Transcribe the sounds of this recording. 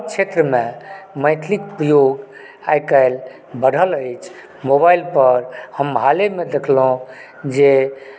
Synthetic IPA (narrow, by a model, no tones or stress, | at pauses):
b̚t͡ʃʰet̪ɾəmẽməɪt̪ʰlikupɾəjoɡ | ajkəɪl | bəɽ̤ʱələɪt͡ʃʰ | mobajlpəɾhəmɦalemed̪ekʰlɦõ | d͡ʒe